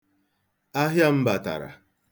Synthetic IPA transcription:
a˦ɦja˦m̩˦ba˨ta̰˨ɾa̰˨

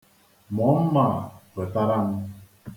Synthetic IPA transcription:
mɔ˨˦m̩˦ma˨və˨ta˦ɾa˦ŋ̩˦

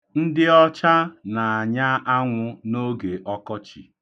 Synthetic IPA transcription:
n̩˦dɪ˦ɔ˦t͡ʃa˦na˨a˨ɲa˦ʔa˦ŋʷʊ˦no˦ɡe˨ʔɔ˦kɔ˦t͡ʃi˨

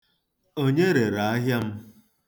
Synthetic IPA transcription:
o˦ɲe˦ɾe˨ɾa˨a˦ɦja˦m̩˦

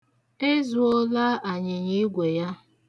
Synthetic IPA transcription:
e˦zu˨o˦la˦ʔa˨ɲɪ˨ɲi˦ɡʷe˨ja˦

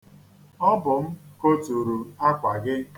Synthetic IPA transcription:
ɔ˦bʊ˨m̩˦ko˦tu˨ɾu˨a˦kʷa˨ɡɪ˦k

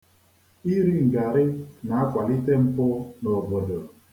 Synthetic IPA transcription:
i˦ɾi˦ŋ̩˨ɡa˨ɾɪ˦na˨a˦kʷa˨li˦te˦m̩˦pʊ˦no˨ɡ͡bo˨do˨

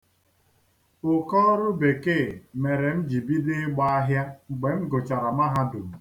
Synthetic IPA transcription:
ʊ˨kɔː˦ɾʊ˦be˨ke˦˨me˨ɾe˨m̩˦d͡ʒi˨bi˦dɪ˦ɡ͡ba˦a˦ɦja˦ŋ͡m̩˨ɡ͡be˨ŋ̩˦ɡo˨t͡ʃa˨ɾa˨ma˦ɦa˦dʊ˨m̩˨

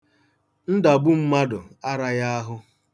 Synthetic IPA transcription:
n̩˦da˨bu˦m̩˦ma˦dʊ˨a˦ɾa˦ja˦a˦ɦʊ˦

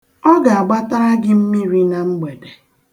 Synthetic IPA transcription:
ɔ˦ɡa˨a˨ɡ͡ba˦ta˦ɾa˦ɡɪ˦m̩˦mi˦ɾi˦na˨m̩˦ɡ͡be˨de˨

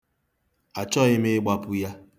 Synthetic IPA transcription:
a˨t͡ʃɔ˦ɣɪ˦mɪ˦ɡ͡ba˦pʊ˦ja˦

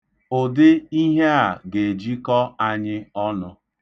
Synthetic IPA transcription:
o˨dɪ˦i˦ɦe˦a˨ɡe˨d͡ʒi˦kɔ˦a˦ɲɪ˦ɔ˦nʊ˦

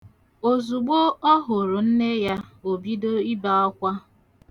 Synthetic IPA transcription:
o˨zu˨ɡ͡bo˦ɔ˦ɦʊ˨ɾʊ˨n̩˦ne˦ja˦o˨bi˦do˦i˦ba˦ɔ˦kʷa˦

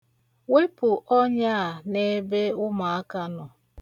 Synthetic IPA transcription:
we˦pʊ˨ʔɔ˦ɲa˦a˨ne˦be˦ʊ˦ma˨a˦ka˦nɔ˨

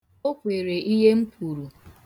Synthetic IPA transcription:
o˦kʷe˨ɾe˨ʔi˦ɦe˦m̩˦pʰu˨ɾu˨

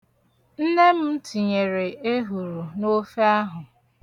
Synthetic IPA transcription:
n̩˦ne˦m̩˦tʰi˨ɲe˨ɾe˨e˦ɦu˨ɾu˨no˦fe˦a˦ɦʊ˨

